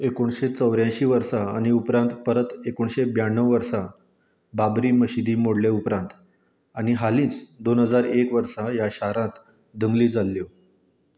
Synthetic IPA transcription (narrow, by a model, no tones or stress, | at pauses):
ekoɳɕet͡səʋɾjãɕiːʋəɾsaañiupɾãnt̪pəɾət̪ekoɳɕebjaɳːəʋʋəɾsa | babɾiːməɕid̪iːmoɽleupɾãnt̪ | añiɦalĩːt͡sd̪onɦəd͡zaɾekʋəɾsajaɕaɾãt̪ | d̪əŋɡliːd͡zalːjo